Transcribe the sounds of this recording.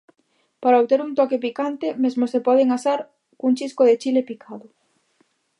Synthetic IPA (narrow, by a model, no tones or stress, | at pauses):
paɾaoβt̪eɾunt̪ɔkepikant̪emezmosepɔð̞eŋasaɾ | kuŋt͡ʃiskoðet͡ʃilepikʰaðʊ